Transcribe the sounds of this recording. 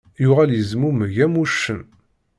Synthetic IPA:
jʊʁæljəzmuməʝæmuʃːən

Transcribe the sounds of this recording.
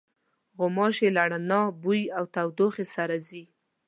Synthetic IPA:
ɣʊmɑʃelaɽanɑbujawt̪awd̪oxesaɾazi

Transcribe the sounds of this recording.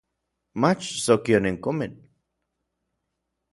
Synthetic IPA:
mat͡ʃsokioneŋkʊmɪn

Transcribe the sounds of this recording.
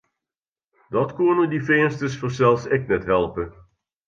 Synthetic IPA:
dɑtkonədifɪənstəsfɔrsɛlˠfsɪknɛtɦɛlˠpə

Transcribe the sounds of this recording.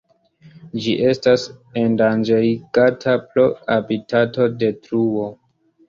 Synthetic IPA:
d͡ʒiʔe̞stasendand͡ʒejɡ̥atʰaploabitʰato̞de̞tɾuo̞

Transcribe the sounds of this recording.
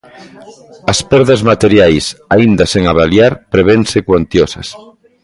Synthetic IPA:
ɐspɛɾðɐzmat̪eɾjajsaind̪ɐseŋaβaljaɾpɾeβeŋsekwant̪josɐ̰s

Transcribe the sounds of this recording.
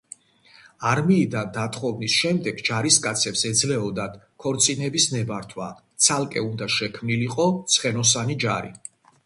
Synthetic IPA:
aɾmiːd̪and̪at̪ʰʼχʼɔvnisʃɛmd̪ɛɡd͡ʒaɾiskʼat̪sʰɛpsɛd̪zlɛɔd̪ad̪ | kʰɔɾt̪sʼinɛbisnɛbaɾt̪ʰwa̰t̪sʰalˠkʼɛund̪aʃɛkʰmniliqʼɔt̪sʰχɛnɔs̬anid͡ʒaɾḭ

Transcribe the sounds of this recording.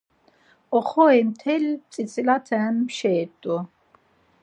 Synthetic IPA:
ɔχɔɛmt̪ʰɛlt͡s̪ʼit͡sʼilat̪ʰɛːmːʃɛːt̪ʼu

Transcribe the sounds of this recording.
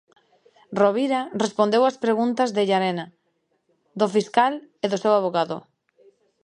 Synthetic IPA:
roβiɾarespond̪ewaspɾeɣunt̪ɐzðeʎaɾena | d̪ofiskaleðʊsewaβ̞oɣaðʊ̰

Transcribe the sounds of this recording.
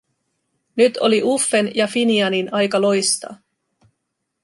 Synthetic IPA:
nyt̪ʰo̞̰liʔufːe̞njɑfiniɑninɑjkɑlo̞jst̪ɑ̰ː

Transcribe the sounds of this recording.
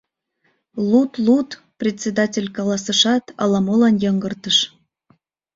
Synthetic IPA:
lut̪lut̪ | prʲet̪ʲt͡sʲed̪ɑtʲelʲkɑlɑsəʃɑt̪ɑ̰lɑmolɑnjɤŋɡərt̪əʃ

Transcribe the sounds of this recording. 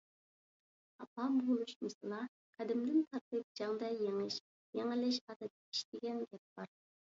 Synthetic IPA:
ɑ̰pɑbɾuʃmɨsɨlˠɑ | qʰɑd̪ɪmd̪ɪnt̪ʰɑɾt̪ɨp̚d͡ʒɑŋd̪ɑjeŋɪʃ | jeŋɪlɪʃ̬ɑd̪ɑd̪ɑi̥ʃt̪ɪɡʲɛnɡʲɛp̚b̥ɑɾ

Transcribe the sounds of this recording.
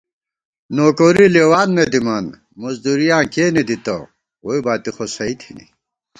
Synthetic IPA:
noːkoɾilewaːnmed̪imɐn | mɐzd̪uɾijãːkeːned̪it̪ɐ̰ | woibaːt̪ixosɐit̪ʰinḭ

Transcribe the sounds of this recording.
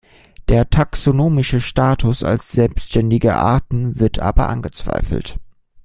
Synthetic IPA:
d̥eːɐtʰaksonoːmɪʃəʃtaːtʰʊsa̰lsz̥ɛlpsʃtɛndɪɡə̰ʔa̰ɐtn̩vɪɐtʰʔa̰ːbɐ̰ʔa̰nɡət͡sv̥a̰ɪfl̩t

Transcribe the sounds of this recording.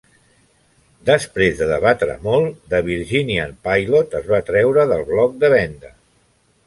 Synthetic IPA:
d̪əspɾezðəðəβat̪ɾə̰molˠd̪əβiɾʒiniənpajlot̪əzβat̪ɾɛwɾəðəlˠβlɔk̚d̪əβɛnd̪ə

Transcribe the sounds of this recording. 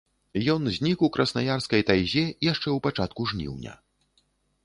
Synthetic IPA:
jɔnzʲnʲikukɾʔɐsnajarskɐjt̪ajzʲɛijaʂt͡ʂɛwpat͡ʂat̪kuʐnʲḭwnʲɐ̰

